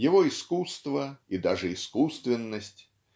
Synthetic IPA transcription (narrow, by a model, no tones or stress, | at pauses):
jɪvoɪskust̪vəid̪aʐɨɪskust̪vʲɪnːəsʲtʲ